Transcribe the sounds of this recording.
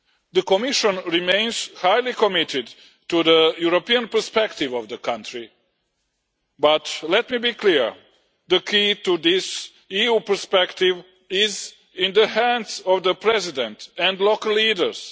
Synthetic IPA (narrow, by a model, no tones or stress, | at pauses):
d̪əkomiʃɔ̃nɾimẽɪ̃nz̥hajlikɔmit̪ɪd̪ | tud̪əjuɾopiə̃npə˞spɛkt̪ɪvɔvd̪əkãntɾi | batlɛt̪mibiːkliɹ | d̪əkʰit̪ud̪is | iupəɹspɛkt̪ɪʋ | ɪz | ĩnd̪əhæ̃ndsɔvd̪əpɾɛzidɛ̃nt̪ɛ̃nd̪lokəlˠːiːdə˞s